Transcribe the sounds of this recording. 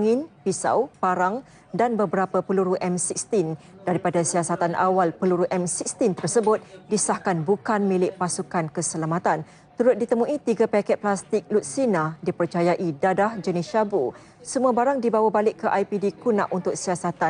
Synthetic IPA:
ŋɪnpisa̰wpaɾaŋ | danbəbəɾapəpəluɾuʔɛmsik̚st̪in | daɾipadasiasat̪anʔa̰walpəluɾuʔɛmsik̚st̪int̪ərsəbʊt̪̚disahkanbukanmĩlɪʔpasukankəsəlamãt̪an | t̪uɾʊt̪̚dit̪əmũʔit̪iɡapakɛt̪̚plast̪ɪk̚lut̪̚sinãdipərt͡ʃajaʔidadahd͡ʒəniʃabu | səmũabaɾaŋdibawabalɪʔkːəʔajpidikunã̰ʔunt̪ʊk̚siasat̪a

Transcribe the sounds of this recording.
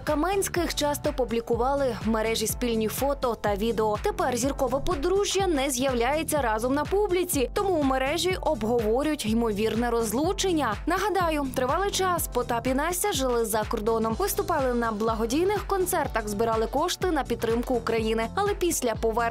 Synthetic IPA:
kɐmɛnʲsʲkɪxt͡ʃɑst̪ɔpublʲikʊʋɑlˠɪmeɾɛʒʲispʲilʲnʲijfɔt̪ɔt̪ɐʋʲid̪eɔt̪epɛrzʲirkɔʋɐpɔd̪ɾuʒʲjɐnɛzʲjɐwlʲajet͡sʲːɐɾɑzɔmnɐpublʲit͡sʲit̪ɔmuːmeɾɛʒʲiʔɔbɦɔʋɔɾʲjʊtʲimɔʋʲirnɛɾɔzlˠut͡ʃenʲːɐnɐɦɐd̪ɑjʊt̪ɾɪʋɑlˠɪt͡ʃɑspɔt̪ɑpʲinɑsʲɐʒɪlˠɪzɐkɔrd̪ɔnɔmʋɪst̪ʊpɑlˠɪnɐblˠɐɦɔdʲijnɪxkɔnt̪sɛrt̪ɐɣzbɪɾɑlˠɪkɔʃt̪ɪnɐpʲid̪̚t̪ːɾɪmkʊːkɾɐjinɪɐlˠɛpʲisʲlʲɐpɔʋɛr

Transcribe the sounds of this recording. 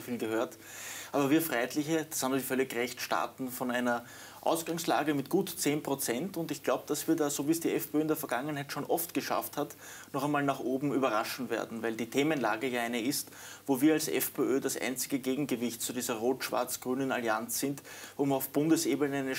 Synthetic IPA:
fiːlɡəhøːɐt | ʔaːbɐviːɐfʁaɪɛtlɪçəd̥ashaːbm̩ziçfœlɪçʁɛçtʃta̰ɐtn̩fɔnæɪnɐ | ʔa̰ʊsɡ̥aŋsla̰ːɡəmɪtɡ̥uːtt͡seːnpʁ̥ot͡sɛntʊntɪçɡ̥laʊbəd̥asv̥iːɐdaːzoviːsd̥iːɛfpʰeøːɪndeːɐfɛɐɡaŋənhæɪtʃoːnʔɔftɡ̥əʃa̰fthat | nɔχɛɪnmaːlnaχʔoːbm̩yːbɐʁaʃn̩vḛːɐdn̩væɪldiːtʰeːmənla̰ːɡəjaːæɪnəɪstvoːviːɐalsɛ̰fpʰeøːdasʔæ̰ɪnt͡sɪɡəɡeːɡŋ̩ɡəvɪçtt͡sudiːzɐʁoːtʃv̥a̰ɐt͡sɡ̥ʁyːnəna̰liant͡sz̥ɪntʊmɑʊfb̥ʊ̃ndəsʔeːbənəæɪnə

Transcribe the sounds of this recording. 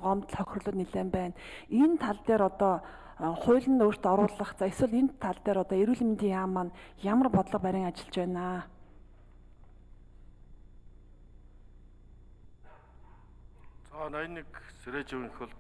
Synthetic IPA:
ɢɔmt̪ɮχœxʲr̆ɮʊːt̪niɮeːmpæːnent̪ʰːaɮt̪eːɾɔt̪ɔː | χʊːɮɘ̆nt̪or̥t̪ɔɾʊːɮə̆χt͡sʰaeswə̆ɮenʰːaɮt̪eːɾɔt̪ɔːeɾuːɮmint̪iːŋjaːmːanjamə̆rpɔt̪ɮɞ̆q̚pæɾʲɪ̆ŋat͡ɕɪ̆ɮt͡ɕpæːnaː | t͡sanajnːikseɾeːt͡ɕiwŋxʊ̆ɮ

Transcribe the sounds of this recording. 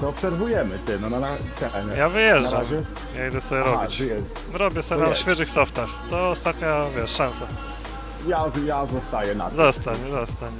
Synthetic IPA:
t̪ɔɔpsɛɾvujɛmɘt̪ɛnɔnanat̪ɛʔɛjavɘjɛʐad͡ʒamɛ | jaid̪ɛsɔbʲjɛɾɔit͡ɕjɛ | ɾɔbʲɛsɔbʲjnaɕfʲjɛʐɨxsɔft̪axt̪ɔːst̪at̪ɲavʲjɛʂʂansa | jazjazɔst̪ajɛna̰zɔst̪aɲzɔst̪aɲ

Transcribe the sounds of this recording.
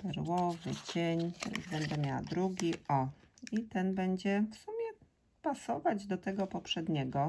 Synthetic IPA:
pɛɾwɔvɘ̰t͡ɕeɲɾa̰zbɛnd̪ɛmʲjawa̰d̪ɾuɡʲiʔɔit̪ɛnbɛɲd͡ʑɛfsumʲjɛ | pasɔvad͡ʑd̪ɔt̪ɛɡɔpɔpʂɛd̪ɲɛɡɔ

